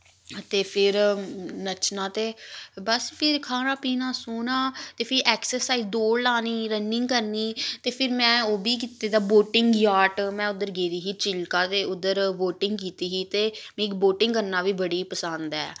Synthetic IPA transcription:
t̪eːpʰɪɾnət͡ʃnãːt̪eːbəspʰɪɾkʰaːnãːpiːnãːsoːnãːt̪eːpʰɪɾʔɛːksəɾsaːizd̪oːɽlaːniːɾənɪŋɡkəɾniːt̪eːpʰɪɾmɛ̃ːoːbiːk̬iːt̪eːd̪aːboːʈɪŋɡjaːʈmɛ̃ːʊd̪əɾɡeːɾiːɦiːt͡ʃɪlkaːt̪eːʊd̪əɾʋoːʈɪŋɡkiːt̪iːɦiːt̪eːmɛ̃ɪkboːʈɪŋɡkəɾnaːʋiːbəɽiːpəsə̃nd̪ɛ̰ː

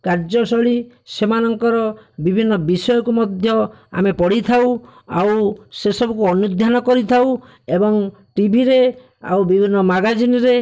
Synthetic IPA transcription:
kaɾd͡ʒɔsɔɭi | semanɔŋkɔɾɔbibʱinːɔbisɔjɔkumɔd̪ʱjɔa̰mepɔɽit̪ʰawa̰wsesɔbɔkuɔnud̪ʱjanɔkɔɾit̪ʰaw | ebɔŋ | ʈibʱiɾe | a̰wbibʱinːɔmaɡad͡ʒinɔɾe

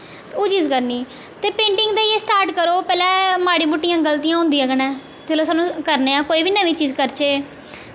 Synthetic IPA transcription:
oːt͡ʃiːzkəɾniː | t̪eːpẽːɳʈɪŋɡd̪aːieːsʈaːɾʈkəɾoːpɛːlɛ̃ːmaːɽiːmʊʈːijãːɡəlt̪ijãːɦʊ̃nd̪iːãːɡənɛ̃ː | d͡ʒeːloːsaːnũːkəɾneːãːkoːiːbiːnəʋiːt͡ʃiːzkəɾt͡ʃeː

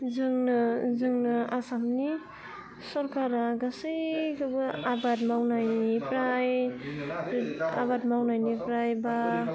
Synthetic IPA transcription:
zɯŋnazɯŋnaasamni | sɔɾkaɾaɡasɯjkabɯabatmawnajnipɾaj | a̰bat̚mawnajnipɾajba

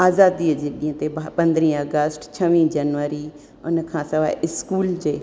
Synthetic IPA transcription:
aːzaːd̪iəd͡ʒeːɗiə̃t̪ebpɐ̃nd̪ɾĩːəɡəsʈt͡ʃʰəʋĩːd͡ʒɐnʋəːɾi | ʊnəkʰãːsɐʋaːɪskuːld͡ʒeː

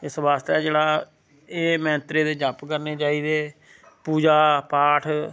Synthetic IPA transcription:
ɪsbaːst̪ɛːd͡ʒeːɽaː | eːmɛ̃ːnt̪ɾeːd̪eːd͡ʒəpkəɾneːt͡ʃaːiːd̪eː | puːd͡ʒaːpaːʈʰ

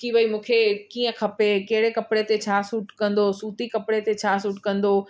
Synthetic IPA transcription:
kiːʋəimũːkʰekiːə̃kʰɐpekeɦɪɽekɐpɽet̪et͡ɕʰaːsuːʈkɐ̃nd̪osuːt̪ikɐpɽet̪et͡ɕʰaːsuːʈkɐ̃nd̪oː

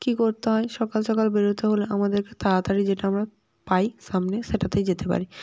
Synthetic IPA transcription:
kikoɾt̪eɦɔeʃɔkalʃɔkalbeɾot̪eɦoloʔamad̪eɾket̪ʰaat̪aɾid͡ʑeʈaamɾa | pajʃamneʃeʈat̪ed͡ʑet̪epa̰ɾi

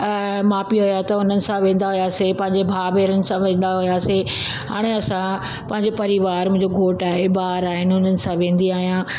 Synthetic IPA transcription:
mãːpiɦʊjat̪ɐʊn̤ənɪ̆sãʋẽːn̆d̪aɦʊjaːsepɐ̃ɦɪ̃ɲd͡ʑebʱaːʋeːɾənɪ̆sãʋẽːn̆d̪aɦʊjaːse | ɦa̰ːɽ̃eɐsã | pɐ̃ɦɪ̃ɲ̆d͡ʑopɐɾiʋaːɾmʊ̃ɦɪ̃ɲd͡ʑoɡʱoːʈaːɦebaːɾaːɦɪnɪʊn̤ənɪ̆sãʋẽːn̆d̪iaːɦijã

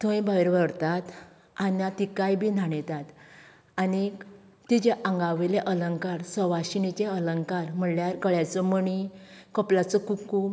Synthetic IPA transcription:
t̪ʰə̃jbʱaʋiɾʋəɽt̪at̪ | anat̪ikajbʱinʱaɳet̪at̪ | ani | t̪id͡ʑeʔãŋɡaʋeleʔələŋkaɾsəʋaɕinit͡ɕeələŋkaɾm̤əɳljaɾkəɭjat͡səməɳi | kəplat͡səkuku

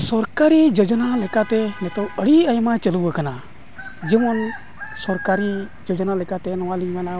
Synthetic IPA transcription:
sɔɾkaɾid͡ʒod͡ʒnalekat̪enet̪oəɽiəjmat͡ʃəluʋəkəna | d͡ʒimon | sɔɾkaɾi | d͡ʒod͡ʒnalekat̪enɔʋaliɡana

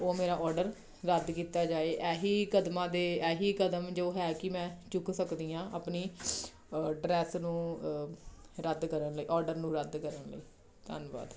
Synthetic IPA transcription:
oːmeːɾaːʔɔːɾɖəɾ | ɾəd̪kiːt̪aːd͡ʒaːeːʔɛːɦiːkəd̪mãːd̪eːɛːɦiːkəd̪əmd͡ʒoːɦɛːkɪmɛ̃ːt͡ʃʊksəkd̪iːãːʔəːpniː | ɖɾɛːsnũː | ɾəd̪kəɾənləiːʔɔːɾɖəɾnũːɾəd̪kəɾənlə̰ḭː | t̪ə̰nba̰ːd̪

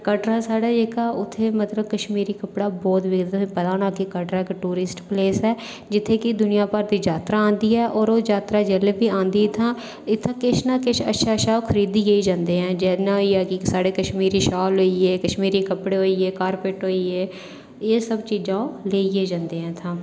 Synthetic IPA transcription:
kəʈɾaːsaːɽaːd͡ʒeːkaːʔʊt̪ʰːeːmət̪ləb̚kəʃmiːɾiːkəpɽaːbɔːt̪ʋɪɡd̪pət̪ãːnaːkikəʈɾaːkʈuːɾɪsʈpleːsɛː | d͡ʒɪt̪ʰːeːkɪd̪ʊnɪjãːpəɾd̪iːd͡ʒaːt̪ɾaːãːnd̪iːɛːʔɔːɾoːd͡ʒaːt̪ɾaːd͡ʒɛːleːbiːãːnd̪iːɪt̪ʰãː | ɪt̪ʰːãːkɪt͡ʃnaːkɪt͡ʃʰə̰ʃaːʃaːokʰəɾiːd̪iːjeiːd͡ʒãːnd̪eːɦɛ̃ːd͡ʒɛːnãːiːɛːkɪsaːɽeːkəʃmiːɾiːʃaːlɦoːiːeːkəʃmiːɾiːkəpɽeːɦoːiːeːkaːɾpeːʈɦoːiːeː | eːsəbt͡ʃiːd͡ʒãːõːleːijeːd͡ʒãːnd̪eːɛ̃ːt̪ʰãː

